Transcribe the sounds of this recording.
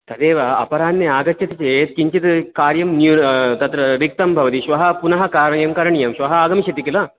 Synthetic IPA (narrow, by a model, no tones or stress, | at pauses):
t̪ɐd̪eːʋɐɐ̰pɐɾaːnːiaːɡɐt͡ʃʰːɐt̪ɐt͡ʃeːt̪̚kiɲt͡ʃit̪kaːɾjɐmnjunt̪ɐt̪ɾɐɾik̚t̪ɐmbʱɐʋɐt̪iʃʋɐɦɐpunɐɦɐkaːɾɐjɐmkɐɾɐɳijɐmʃʋɐɦɐaːɡɐmiʃɐt̪ikilɐ